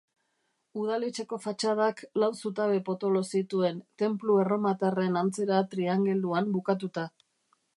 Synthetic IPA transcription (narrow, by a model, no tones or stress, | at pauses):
uð̞alet͡ʃe̞ko̞fat͡ʃað̞aklawsut̪aβe̞po̞t̪o̞lo̞sit̪ue̞nt̪e̞mplue̞ro̞mat̪are̞nant͡se̞ɾat̪ɾiaŋɡe̞ld̪uambukat̪̬ut̪a